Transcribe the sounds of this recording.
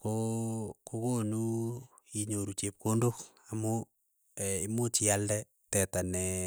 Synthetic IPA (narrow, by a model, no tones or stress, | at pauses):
kokokonu | iɲoɾut͡ʃep̚kʰondok | amo | imot͡ʃialdɛ | tɛtanɛ